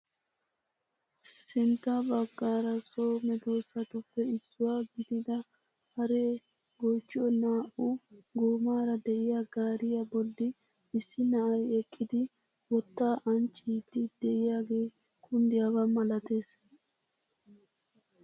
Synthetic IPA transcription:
sɪnt̪ːabɐɡːaːɾɐso̞ːmɛd̪o̞ːsɐt̪ʊpːɛɪsːʊwaːɡɪd̪ɪd̪ɐ | hɐɾe | ɡoːt͡ʃːɪɔnaːʔʊɡoːmaːɾɐd̪ɛʔɪjaɡaːɾɪjɐbɔd̪ːɪ | ɪsːɪnɐʔɐjɛkʼːɪd̪ɪ | wɔt̪ːaːʔɐnt͡ʃʼːiːt̪ːɪd̪̥ɛʔɪjaːɡe̞ː | kʰʼʊnd̪ɪjabɐmɐlɐt̪e̞ːs

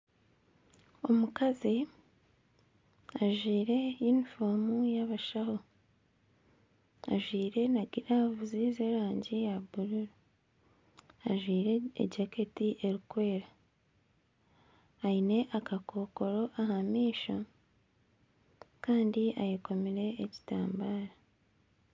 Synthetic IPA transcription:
omukazi | aʒwiːɾe̞jinifoːmujaβaʃaho̞ | aʒwiːɾe̞naɡiɾavuziːzeɾaːɲɟijabuɾuɾu | aʒwiːɾeḛɟake̞tiʔe̞ɾikwe̞ːɾa | ine̞ʔakakʰo̞ko̞ɾo̞ʔahamiːʃo | kaːndiʔajeko̞miɾe̞ːci̥ta̰ːmbaːɾa

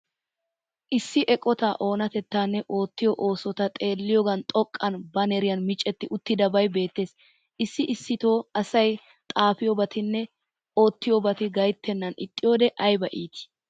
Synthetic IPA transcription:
ʔɪsːɪʔɛkʼɔt̪aːʔo̞ːnɐt̪ɛt̪ːaːnːɛʔo̞ːt̪ːɪjɔʔo̞ːsɔt̪ɐt̪ʼe̞ːlːɪjɔɡɐnt̪ʼɔkʼːɐnbɐnɛɾɪjɐnmɪt͡ʃʼːɛt̪ːɪʔʊt̪ːɪd̪ɐbɐjbe̞ːt̪ːe̞ːs | ʔɪsːɪʔɪsːɪt̪o̞ːɐsɐj | t̪ʼaːfɪjobɐt̪ʰɪnːɛ | o̞ːt̪ːɪjobɐt̪ɪɡɐjt̪ːɛnːɐnɪ̰t̪ʼːɪjoːd̪ɛʔɐjbɐʔiːt̪ɪ̥

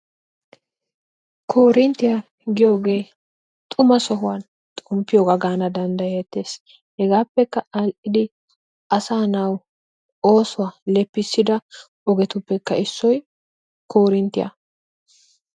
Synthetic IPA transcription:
kʰoːɾɪnt̪ːɪja | ɡɪjo̞ːɡe̞ː | t̪ʼʊmɐsɔɦʊwan | t̪ʼʊmpːɪjoːɡɐɡaːnɐd̪ɐnd̪ɐjɛt̪ːe̞ːs | hɛɡaːpːɛkːɐɐlʔɪd̪ɪ | ʔɐsaːnɐw | o̞ːsʊwalɛpːɪsːɪd̪ɐ | ɔɡɛt̪ʊpːɛkːɐɪsːɔj | ko̞ːɾɪnt̪ːɪja̰

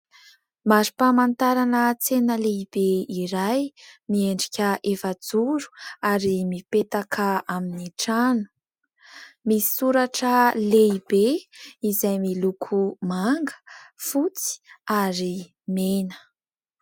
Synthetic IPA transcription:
maɾi̥pamant̪aɾanət͡senəleib̥eiɾajmieɳɖ͡ʐikʲəʔefad͡zuɾu̥aɾimipet̪akʰəaminiʈ͡ʂanu̥ | mii̥suɾaʈ͡ʂəleibeizajmilukʰumaŋɡə̥fut͡si̥aɾi | menə̥

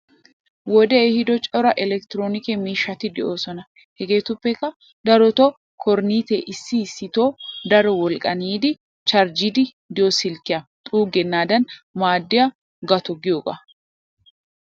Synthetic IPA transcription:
wɔd̪ɛːhɪd̪ɔt͡ʃʼɔɾɐʔɛlɛkt̪ɪɾoːnɪkɛmiːʃːɐt̪ɪd̪ɛʔo̞ːsɔnɐ | hɛɡe̞ːt̪ʊpːɛkːɐ | d̪ɐɾɔt̪ɔ | kʰɔɾniːt̪eʔɪsːɪsːɪt̪o̞ːd̪ɐɾɔwɔlkʼɐniːd̪ɪ | t͡ʃɐɾd͡ʒɪd̪ɪ | d̪ɪosɪlkːɪjɐt̪ʼuːɡɛnːaːd̪ɐnmaːd̪ːɪjɐ | ɡɐt̪ɔɡɪjoːɡɐ̰

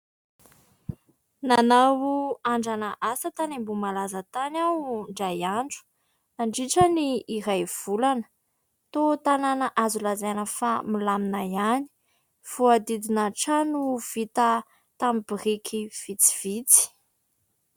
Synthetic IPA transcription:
nanawuaɳɖ͡ʐanaʔasat̪anembumalazət̪anawɳɖ͡ʐajaɳɖ͡ʐu̥ | naɳɖ͡ʐiʈ͡ʂəniːɾajv̥ulanə̥ | t̪ot̪ananaʔazulazanəfamilaminajani̥ | v̥uad̪id̪inaʈ͡ʂanuv̥it̪ə | t̪amibirikʰiv̥it͡si̥v̥it͡si̥

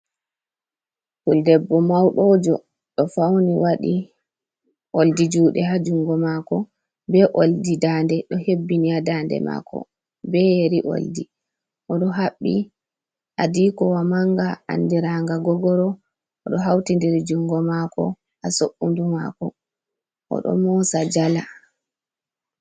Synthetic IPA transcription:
kuldɛbːɔmawɗɔd͡ʒɔ̰ | ɗɔfawniwaɗi | ʔoldid͡ʒuːɗɛɦad͡ʒuŋɡɔmaːkɔ | bɛʔoldidandɛɗɔhebːiniadandɛ̰ma̰ːkɔ̰ | bɛjeɾiʔo̰ldi | ʔɔɗɔɦaɓːi | ʔadiːkɔwamaŋɡaʔa̰ndiɾaŋɡaɡɔɡɔɾɔ | ɔɗɔɦawtindiɾid͡ʒuŋɡɔmakɔ̰ | ʔasoʔːunduma̰kɔ | ʔɔ̰ɗɔ̰mɔsad͡ʒala

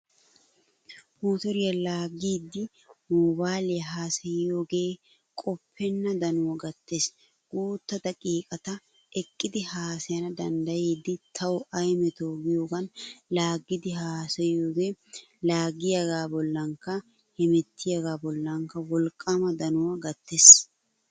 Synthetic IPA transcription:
moːt̪ɔɾɪjɐlaːɡiːd̪ːɪ | mɔːbaːlɪjɐɦaːsɐjoːɡe̞ː | kʼɔpʰːɛnːɐd̪ɐnʊwɐɡɐt̪ːeːs | ɡ̥uːt̪ːɐd̪ɐkʼiːkʼɐt̪ɐ | ʔɛkʼːɪd̪ɪhaːsɛjɐnɐd̪ɐnd̪ɐjeːd̪ːɪt̪ʰɐwʔɐjmɛt̪oːɡɪjoːɡɐnlaːɡɪd̪ɪɦaːsɐjjoːɡeː | laːɡɪjɐɡaːbɔlːɐŋkɐ | hɛmɛt̪ʰːɪjɐɡaːbɔlːɐŋkːɐwɔlkʼːɐmɐd̪ɐnʊwɐɡɐt̪ːeːs

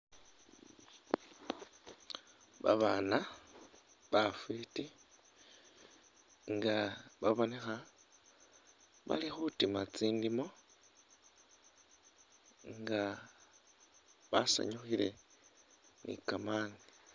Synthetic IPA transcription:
βa̰βaːna | βafwiti | ŋɡaβaβo̞nexa | βa̰lixutimat͡siːndimo̞ | ŋɡa | βa̰sa̰ɲuxiɾe̞ | nḭkamaːŋɡa

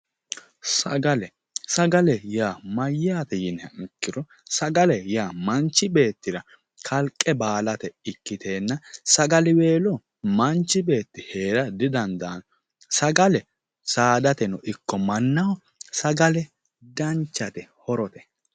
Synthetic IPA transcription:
sɐɡɐlɛ | sɐɡɐlɛjaːmɐjːaːt̪ɛjɪnhɛɪkːɪɾɔ | sɐɡɐlɛjaːmɐnt͡ʃːɪbe̞ːt̪ːɪɾɐ | kʰɐlkʼːɛbaːlɐt̪ɛɪkːɪt̪ʰe̞ːnːɐsɐɡɐlɪwe̞ːlɔ | mɐnt͡ʃːɪbe̞ːt̪ːɪheːɾɐd̪ɪd̪ɐnd̪aːn | sɐɡɐlɛ | saːd̪ɐt̪ɛnɔʔɪkːɔmɐnːɐw | sɐɡɐlɛ | d̪ɐnt͡ʃːɐt̪ɛhɔɾɔt̪ɛ̥

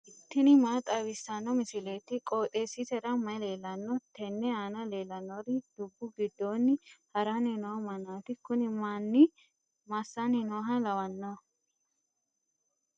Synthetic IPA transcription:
ʔɪt̪ːɪnɪmaːt̪ʼɐwɪsːɐnːɔmɪsɪle̞ːt̪ɪkʼoːt̪ʼeːsɪsɛɾɐmɐjle̞ːlːɐnːɔt̪ːɛnːɛaːnɐleːlːɐnːɔɾɪd̪̥ʊbːʊɡɪd̪ːo̞ːnːɪhɐɾanɪnomɐnaːt̪ɪkʊnɪmanːɪ | mɐsːanɪnoːɦɐlɐwɐnːɐ

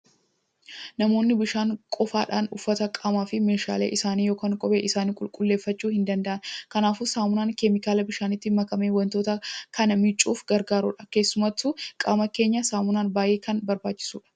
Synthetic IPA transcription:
nɐmo̞ːnːɪbɪʃaːŋkʼɔfaːᶑa̰ːnʊfːɐt̪ɐkʼaːmaːfɪmeːʃa̰ːlḛːʔɪsaːniːjoːkaːŋkʼɔbḛːʔɪsaːniːkʼʊlkʼʊlːe̞ːfːɐt͡ʃːuːhɪnd̪ɐnd̪ɐʔɐnkɐnaːfʊsaːmʊnaːnkɛmɪkaːlɐbɪʃaːnɪt̪ːɪmɐkɐmeːwɐnt̪o̞ːt̪ɐkɐnɐmɪt͡ʃʼːuːfɡɐɾɡaːɾṵːᶑɐ̥ke̞ːsːʊmɐt̪ːukʼaːmɐke̞ːɲːɐsaːmʊnaːnbaːʔeːkɐnbɐɾbaːt͡ʃːɪ̥sṵːᶑɐ̥

